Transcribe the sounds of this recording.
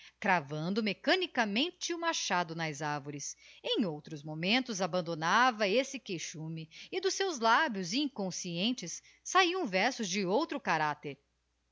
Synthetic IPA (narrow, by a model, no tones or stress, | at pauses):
kɾavɐ̃nd̪ʊmekɐnikɐmẽnt͡ʃɪʊmaɾʃad̪ʊnɐzaɾvoɾɪsẽj̃owt̪ɾʊzmomẽnt̪ʊzabɐ̃nd̪onavɐesɪkejʃũmɪɪd̪ʊsewzlabjʊziĩŋkõsiẽnt͡ʃɪsː | aiɐ̃w̃vɛɾsʊzd͡ʒɪowt̪ɾʊkaɾat̪eɾ